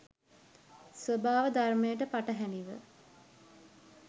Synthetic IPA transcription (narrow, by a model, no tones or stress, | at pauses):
sʋobaːʋəd̪ʱarmejəʈəpaʈəɦæniʋə̰